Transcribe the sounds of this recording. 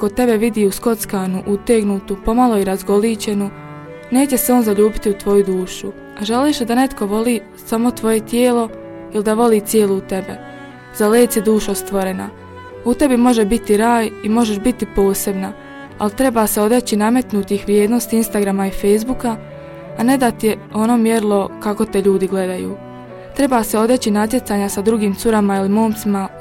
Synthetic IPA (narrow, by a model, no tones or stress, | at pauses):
ko̞t̪e̞be̞ʋid̪iːusko̞t̪skaːnuʔut̪eɡnuːt̪upo̞malˠo̞iɾazɡo̞liːt͡ɕe̞nu | ne̞ːt͡ɕe̞seo̞ːnzaʎuːbit̪iut̪ʋo̞jud̪uːʃu | aʒaliːʃd̪ane̞t̪ko̞ʋo̞liː | samo̞t̪ʋo̞je̞t̪jeːlo̞ | ilid̪aʋo̞liːt̪sjeːlˠuut̪e̞bḛ | z̥aleːt̪sid̪uːʃost̪ʋo̞ɾe̞na̰ | ut̪e̞bimo̞ʒebit̪iɾaːjimo̞ʒeʃbit̪ipo̞ːse̞bna | a̰lit̪ɾe̞baːseo̞d̪et͡ɕiname̞t̪nut̪ixʋɾjeːd̪nost̪iinst̪aɡɾamaife̞jzbukaː | ne̞d̪at̪ijeo̞no̞mjeɾlˠo̞kako̞t̪eʎuːd̪iɡle̞d̪ajṵː | t̪ɾe̞baːseo̞d̪e̞t͡ɕinat̪̬je̞t̪saːɲasad̪ɾuɡiːmt̪suɾamailimo̞ːmt̪sima